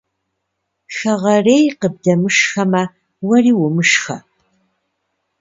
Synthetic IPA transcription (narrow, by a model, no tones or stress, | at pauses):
ʃɐʁɐreːjqəb̚dɐmɨʃxɐmɐ | wɐriːwʊmɨʃxɐ